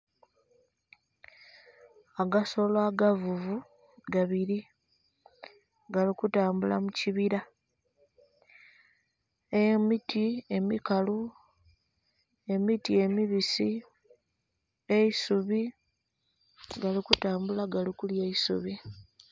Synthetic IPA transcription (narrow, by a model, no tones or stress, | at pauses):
aɡaso̞laɡavuvu | ɡaβiɾi | ɡalikutaːmbula̰muciβiɾa | emitʰie̞mikalu | e̞mitie̞miβisi | eisuβi | ɡalikutaːmbulaɡalikuljeisṵβi